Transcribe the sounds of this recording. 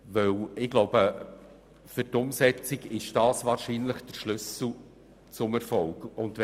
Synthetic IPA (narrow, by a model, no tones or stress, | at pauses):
ʋœwɪɡ̥loʊb̥ə | fʏrtʊmsɛt͡siɡɪʃd̥ɑːsvɑːɾʃiːnləχd̥əɾʃlʏsl̩ | t͡sʊmɛɾfɔlɡʊndɛ